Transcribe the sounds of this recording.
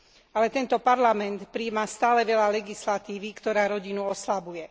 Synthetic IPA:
alɛt̪ɛnt̪ɔpaɾlamɛnt̪pɾiːmast̪aːlɛʋɛʎalɛɡislat̪iːʋikt̪ɔɾaːɾɔɟinuɔslabujɛ

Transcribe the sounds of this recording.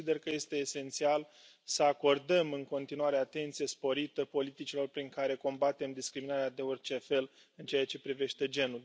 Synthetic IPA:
id̪e̞rkəje̞st̪e̞ːse̞nt̪sial | səako̞rd̪əmɨŋko̞nt̪inuaɾe̞at̪e̞nt̪sije̞spo̞ɾit̪əpo̞lit̪it͡ʃilo̞rpɾiŋkaɾe̞ko̞mbat̪e̞md̪iskɾiminaɾead̪e̞ort͡ʃe̞fe̞l | ɨnt͡ʃeat͡ʃe̞pɾive̞ʃt̪e̞d͡ʒe̞nul

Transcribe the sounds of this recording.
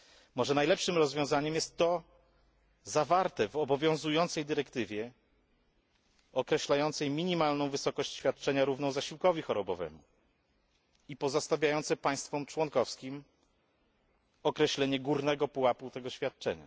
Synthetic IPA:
mɔʐɛnajlɛpʂɘmɾɔzvʲjɔ̃w̃zaɲɛmjɛst̪ːɔ | zavaɾt̪ɛvɔbɔvʲjɔ̃w̃zujɔnt̪sɛjd̪ɘɾɛkt̪ɘvʲjɛ | ɔkɾɛɕlajɔnt̪sɛjmʲiɲimalnɔ̃w̃vɘsɔkɔɕt͡ɕɕfʲjat̪̚t͡ʂɛɲaɾuvnɔ̃w̃zaɕiwkɔvʲixɔɾɔbɔvɛ̰mu | ipɔzɔst̪avʲjajɔnt̪sɛpaj̃st̪fɔmt͡ʂwɔnkɔfskʲim | ɔkɾɛɕlɛɲɛɡuɾnɛɡɔpuwaput̪ɛɡɔɕfʲjat̪̚t͡ʂɛ̰ɲa̰

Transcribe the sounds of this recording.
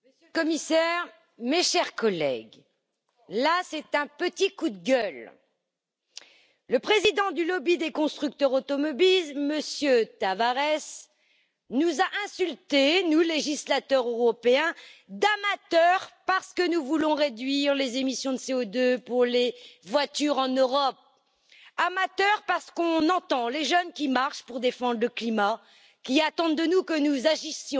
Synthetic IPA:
məsjølkɔmisɛʁ | meʃɛʁkɔlɛ̰ɡ | lasɛt̪ɛ̃pət̪ikud̪ɡʲœl | ləpχezid̪ɑ̃d̪ylɔbid̪ekɔ̃st̪χyk̚t̪œʁot̪ɔmɔbilməsjøt̪avaʁɛs | nuzaʔɛ̃sylt̪enuleʒislat̪œʁøʁɔpeɛ̃d̪amat̪œʁpaʁsə̥kənuvulɔ̃ʁed̪ɥiʁlezemisjɔ̃d̪əseod̪øpuʁlevwat̪yʁɑ̃nøʁɔp̚ | amat̪œʁpaʁsə̥kɔ̃nɑ̃t̪ɑ̃leʒənkʲimaʁʃpuʁd̪efɑ̃d̪ʁləklima | kʲiat̪ɑ̃d̪d̪ənukənuzaʒisjɔ̃

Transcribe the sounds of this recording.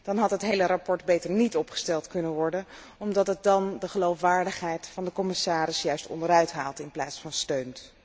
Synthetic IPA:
d̥ɑnɦɑtɦətɦejlərɑpɔɹdbejtəɹnitɔpχə̥stɛlˠtkɵnənʋɔɹdən | ɔmdɑtɦət̚dɑndəχəlowfʋaːɹdəχɦɛjtfɑndəkɔmɪsaːɾɪsjœɥstɔ̰ndəɾœɥtɦaːlˠtɪnplaːtsfɑnstøɥnt

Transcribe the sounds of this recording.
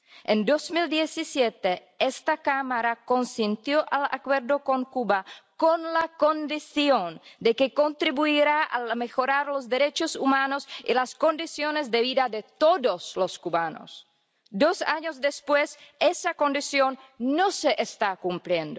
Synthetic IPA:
end̪osmild̪jesisjet̪e | est̪akamaɾako̞nsint̪joʔala̰kweɾd̪o̞ko̞ŋkubakonlako̞nd̪isjond̪e̞keko̞nt̪ɾiβuiɾaa̰lmexo̞ɾaɾlo̞zd̪eɾet͡ʃosumanosḭlasko̞nd̪isjonezd̪eβiðad̪et̪oðosloskuβano̰s | d̪osaɲozd̪espwesesako̞nd̪isjonːoseʔest̪akumpljend̪o

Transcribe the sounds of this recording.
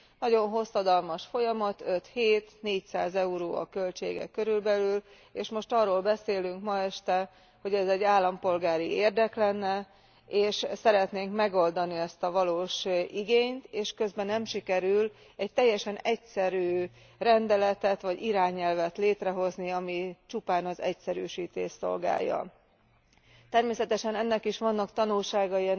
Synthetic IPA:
nɒɟo̞nɦo̞sːɒd̪ɒlmɒʃfo̞jɒmɒt̪ø̞t̪heːt̪neːcsa̰ːzɛuɾo̰ːɒ̰kø̞lt͡ʃḛːɡɛ̰kːøɾylbɛlyl | eːʃmo̞ʃt̪ɒːroːlbɛseːlyŋkmɒɛʃt̪ɛ | ho̞ɟɛzɛɟːaːlːɒmpo̞lɡaːɾieːrd̪ɛklɛnːɛ | eːʃsɛɾɛt̪neːŋkmɛɡo̞ld̪ɒniɛst̪ɒvɒloːʃiɡeːɲt̪eːʃkø̞zbɛnːɛmʃikɛɾyl | ɛc̚t̪ɛjːɛʃɛnɛcsɛɾyː | rɛnd̪ɛlɛt̪ɛt̪ʋɒɟiɾaːɲɛlvɛt̪leːt̪rɛɦo̞zniɒmit͡ʃupaːnɒzɛ̰csɛɾy̰ːʃiːt̪ḛːʃso̞̰lɡa̰ːjɒ̰ | t̪ɛrmeːsɛt̪ɛʃɛnɛnːɛkiʃʋɒnːɒkt̪ɒnulʃaːɡɒiɛ

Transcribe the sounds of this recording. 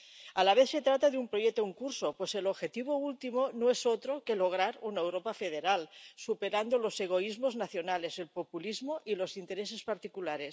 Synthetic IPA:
alaβeθse̞t̪ɾat̪aðeumpɾojek̚t̪ouŋkuɾsopwe̞se̞loβxe̞t̪iβ̞oult̪imonoesot̪ɾoke̞lo̞ɣ̞ɾaɾunaewɾopafeð̞eɾalsupe̞ɾand̪olo̞seɣ̞o̞izmoznaθjo̞nale̞se̞lpopulizmoʔilo̞sint̪e̞ɾes̬e̞spaɾt̪ikulaɾe̞s

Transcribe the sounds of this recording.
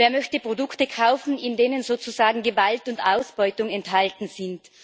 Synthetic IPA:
veːɐmœçtəpʁ̥odʊktəkʰaʊfn̩ɪndeːnənzoːt͡suzaːɡŋ̩ɡəvaltʊntaʊsb̥ɔʏtʊŋɛnthaltn̩z̥ɪnt

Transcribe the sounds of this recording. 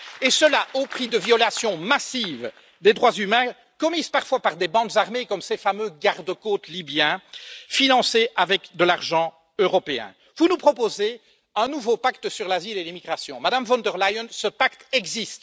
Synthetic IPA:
esəlaʔopχid̪əvjɔlasjɔ̃masiv | d̪ed̪ʁwazymɛ̃ | kɔmizpaʁfwapaʁd̪ebɑ̃kzaʁmekɔmsefamøɡaʁd̪əkot̪libjɛ̃finɑ̃seʔavɛkd̪əlaʁʒɑ̃ | øʁɔpeɛ̰̃ | vunupχɔpoze | œ̃nuvopakt̪əsyʁlazilelimiɡʁasjɔ̃mad̪amvɔ̃nd̪əʁlajɔnsəpakt̪ɛɡzist̪

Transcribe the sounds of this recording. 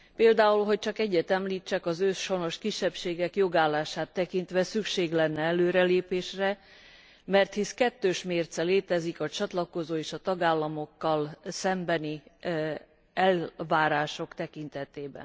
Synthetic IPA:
peːld̪aːulɦo̞c̚t͡ʃɒkɛɟːɛt̪ɛmliːt͡ʃːɛkɒzøʃo̞no̞ʃkiʃːɛpʃeːɡɛkjo̞ɡaːlːaːʃaːt̪ːɛkint̪ʋɛsykʃeːɡlɛnːɛɛløːɾɛleːpeːʃrɛ | mɛrt̪hiskɛt̪ːøːʃmeːrt̪sɛleːt̪ɛzikɒt͡ʃɒt̪lɒko̞zoːeːʃɒt̪ɒɡaːlːɒmo̞kːɒlsɛmbɛni | ɛlvaːɾaːʃo̞kt̪ɛkint̪ɛt̪eːbɛ̰n

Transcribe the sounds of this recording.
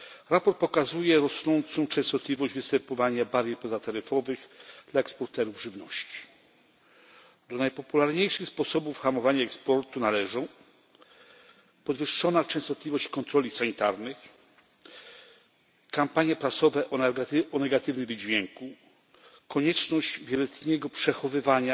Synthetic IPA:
ɾapɔɾt̪̚pɔkazujɛɾɔsnɔnt̪sɔ̃w̃t͡ʂɛ̃ñst̪ɔt̪lʲivɔʑd͡ʑvɘst̪ɛmpɔvaɲabaɾʲjɛpɔzat̪aɾɘfɔvɘxd̪laɛkspɔɾt̪ɛɾuvʐɘvnɔɕt͡ɕi̥ | d̪ɔnajpɔpulaɾɲejʂɘxspɔsɔbufxamɔvaɲaɛkspɔɾt̪unalɛʐɔ̃w̃ | pɔd̪vɘʂːɔnat͡ʂɛ̃st̪ɔt̪lʲivɔɕt͡ɕkɔnt̪ɾɔlʲisaɲit̪aɾnɘx | kampaɲjɛpɾasɔvɛʔɔaɔnɛɡat̪ɘvnɘmvd͡ʑvʲjɛŋku | kɔɲɛt͡ʂnɔʑd͡ʑvʲjɛlɛt̪ɲɛɡɔpʂɛxɔvɘvaɲa

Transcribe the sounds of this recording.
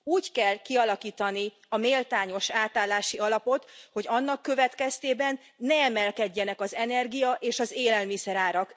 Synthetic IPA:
uːckɛlkiɒlɒkiːt̪ɒni | ɒmeːlt̪aːɲo̞ʃaːt̪aːlːaːʃiɒlɒpo̞t̪ho̞ɟɒnːɒkːø̞vɛt̪kɛst̪eːbɛnː | ɛɛmɛlkɛɟːɛnɛkɒzɛnɛrɡijɒʔeːʃɒzeːlɛlmisɛɾaːɾɒk

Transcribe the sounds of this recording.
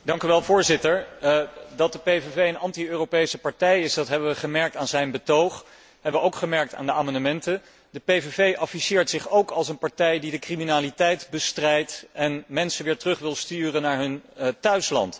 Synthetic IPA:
d̥ɑŋkyʋɛlˠvʊːɹzɪtəɹ | dɑt̚dəpevevejənɑntiøːropejsəpɑɹtɛjɪsdɑtɦɛbəʋəχəmɛɹk̚taːnzɛjnbətowχ | ɦɛbəʋəowkχəmɛɹk̚ta̰ːndəaːmɑndəmɛntə | dəpejvevejʔɑfisɪːɹtsɪχowkɑlˠsənpɑɹtɛjdidəkriminaːlitɛjtbəstrɛjtɛnmɛnsəʋɪːɹtərɵχʋɪlˠstyːrənaːɹɦɵntœɥslɑ̰nt

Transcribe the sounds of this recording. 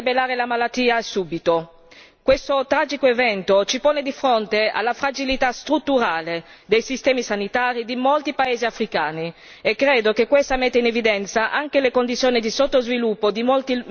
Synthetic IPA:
belaːɾelamalat̪ːiːasuːbit̪o | kwest̪ot̪ɾaːd͡ʒikoevɛnt̪ot͡ʃipoːned̪ifɾont̪ea̰lːafɾad͡ʒilit̪ast̪ɾut̪ːuɾaːled̪ejsist̪ɛːmisanit̪aːɾid̪imolt̪ipaeːziafɾikaːni | ekːɾeːd̪okekːwest̪amɛt̪ːeinevid̪ɛnt̪saʔaŋkelekond̪it̪sjoːnid̪isot̪ːozvilupːod̪imolt̪i

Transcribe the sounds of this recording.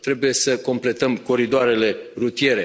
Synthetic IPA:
t̪ɾe̞buje̞səko̞mple̞t̪əmko̞ɾid̪oaɾe̞le̞ɾut̪ije̞ɾe̞

